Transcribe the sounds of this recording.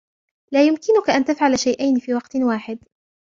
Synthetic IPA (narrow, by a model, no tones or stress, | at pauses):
laːjʊmkɪnʊkaʔant̪afʕalaʃajʔajnfiːwɑqt̪waːħɪd̪